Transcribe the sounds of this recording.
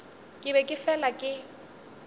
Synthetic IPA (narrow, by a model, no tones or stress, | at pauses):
kʼɪbɛkʼɪfɛlakʼɪ